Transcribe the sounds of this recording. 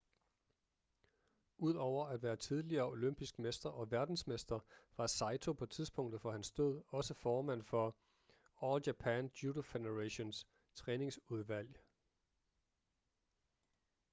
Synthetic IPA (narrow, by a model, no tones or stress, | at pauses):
ʔuð̞̰ˠɒʊ̰ɐæd̥ʋæːɐt͡sʰið̞ˠliɐːo̝løm̰b̥isɡ̥mesd̥ɐʔɒ̽ʋæɐd̥n̩smesd̥ɐʋɑ̈sɑ̈ɪt͡sʰo̝pʰɒ̽t͡sʰiðˠsb̥ɔ̽ŋ̰d̥ð̩ˠfɒ̽hænsd̥o̝ð̞̰ˠɒ̽səfɒːmæn̰fɒ̽ | ɒːljæpʰænd̥udofedeʁeɕo̝ns | t͡sʰʁɛːne̝ŋsuð̞ˠʋæl̰j